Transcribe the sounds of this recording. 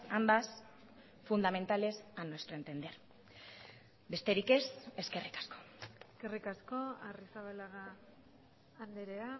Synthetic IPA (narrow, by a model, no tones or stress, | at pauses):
amb̪as | fund̪ame̞nt̪ale̞sanowest̪ɾoent̪e̞nd̪eɾ | be̞st̪e̞ɾike̞se̞ske̞rikḁsko̞̥eske̞rikasko̞arisaβalaɣa | nd̪eɾea